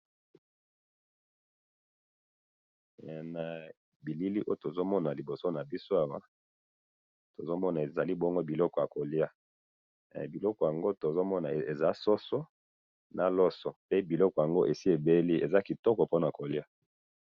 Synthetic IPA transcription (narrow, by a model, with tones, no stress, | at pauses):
na˨ | bi˨li˦li˦ʔo˦o˦to˨zo˦mɔ˦na˨li˨bo˨so˦na˨bi˦so˦a˨wa˦ | to˨zo˦mɔ˦na˨e˨za˨li˦bɔ˦ŋɡo˦bi˨lɔ˦kɔ˨ja˨ko˨li˦a̰˦˨ | bi˨lɔ˦kɔ˨ja˨ŋɡo˦to˨zo˦mɔ˦na˨e˨za˦sɔ˦so˦ | na˨lɔ˦sɔ˨pe˦bi˨lɔ˦kɔ˨ja˨ŋɡo˦ʔe˨si˦e˨be˦li˦e˨za˦ki˨tɔ˦kɔ˨po˦na˨ko˨li˦a˦